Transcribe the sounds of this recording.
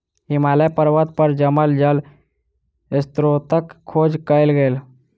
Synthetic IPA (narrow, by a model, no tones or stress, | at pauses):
ɦɪmaːləpəɾʋət̪̚pəɾd͡ʒəməld͡ʒəl | ɪst̪ɾot̪əkʰːoːd͡ʒkəɪlɡeːl